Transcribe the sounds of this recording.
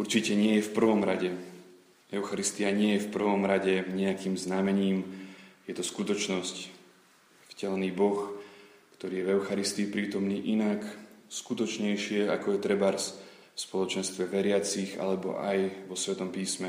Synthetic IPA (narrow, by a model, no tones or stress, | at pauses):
uɾt͡ʃicɛɲɪɛjɛfpr̩ʋɔmɾaɟɛ | ɛʊxaɾist̪iaɲɪɛjɛfpr̩ʋɔmɾaɟɛɲɛakiːmznamɛɲiːmjɛt̪ɔskut̪ɔt͡ʃnɔsc | fcɛlɛniːbɔx | kt̪ɔɾiːjɛvɛʊxaɾist̪iːpɾiːt̪ɔmniːʔinakskut̪ɔt͡ʃɲɛjʃɪɛa̰kɔjɛt̪ɾɛbaːɾs | fspɔlɔt͡ʃɛnst̪ʋɛʋɛɾɪat͡siɣa̰lɛbɔ̰ʔa̰jʋɔsʋɛt̪ɔmpiːsmɛ